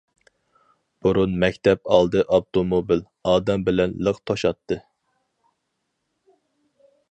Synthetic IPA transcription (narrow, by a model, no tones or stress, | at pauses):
b̥uɾunmɛkʲt̪ʰɛpɑlˠd̪ɨʔɑp̚t̪ʰomobil | ɑːd̪ɛmbɪlɛnləqt̪ʰoʃɑt̪ʰːɨ